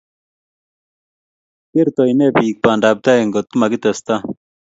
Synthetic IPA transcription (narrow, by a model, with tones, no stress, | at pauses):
ke˦ɾt̪ɔ˨i˨nɛ˦pi˨k̚pa˨nda˨p̚t̪a˦ɛ˨ŋɡɔ˨t̪̚ku˦ma˨kɪ˦t̪ɛ˨st̪a˦